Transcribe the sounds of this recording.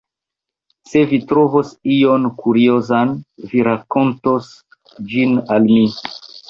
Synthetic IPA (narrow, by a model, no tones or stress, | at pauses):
se̞vitɾovosijo̞nkuɾiozanviɾako̞ntos | d͡ʒinalmi